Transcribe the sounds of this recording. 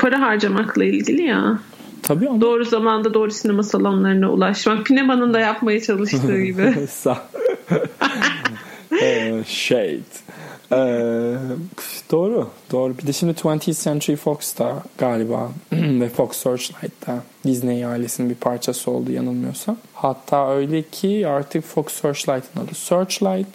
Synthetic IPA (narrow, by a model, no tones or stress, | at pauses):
pʰaɾaɦaɾd͡ʒamaklˠailʲɟilʲija | t̪ʰabiːamoːɾuzamand̪ad̪o̞ːɾusinemasalˠanlˠaɾɯnaṵlˠaʃmakcʰːynebanɯnd̪ajapmajat͡ʃʰalˠɯʃt̪ɯːɟibɪsa | ɛʃejt̪ɛ | d̪̥o̞ːɾʊd̪̥o̞ːɾubid̪ɛʃimd̪it̪ʰwɛnt̪ʰisɛnt̪ʰɾifokst̪ʰaɡ̥aːlʲiba̰ːvɛfoksːøɾt͡ʃlʲˠajt̪ːɛd̪iznejaːlʲesinbipʰaɾt͡ʃʰasɯo̞̰lˠd̪uja̰nɯlˠmɯjo̞sahat̪ʰːaːøjlʲɛcʰiaɾt̪ʰɯkfoksøɾt͡ʃlˠajt̪ʰɯnad̪ˠɯsøɾt͡ʃlʲˠajt̪